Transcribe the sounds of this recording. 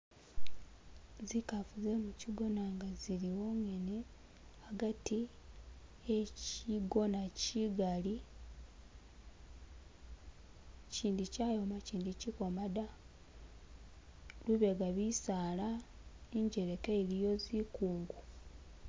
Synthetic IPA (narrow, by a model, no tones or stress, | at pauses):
zikafuze̞muciɡo̞naŋɡaziɾiwo̞ŋe̞ne | aɡati | eciɡonaciɡali | ciːndicaːjo̞maciːndiciko̞mada | luβeɡaβisaːla | iɲɟe̞ɾekeeɾijo̞zikuːŋɡu